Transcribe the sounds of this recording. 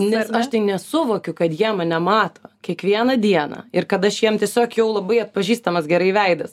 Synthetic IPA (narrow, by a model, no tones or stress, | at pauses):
nʲɛsɐʃt̪ɐɪnʲɛsʊʋoːkʲʊkɐt̪jiɛmɐnʲɛmɑːt̪oːkʲiɛkʋʲiɛnɐd̪ʲiɛnɐ̰ɪrkɐt̪ɐʃjiɛmt̪ʲiɛsʲoːkjɛʊlˠɐbɐɪɐt̪̚pɐʒʲiːst̪ɐmɐsɡʲɛɾɐɪʋʲɛɪd̪ɐs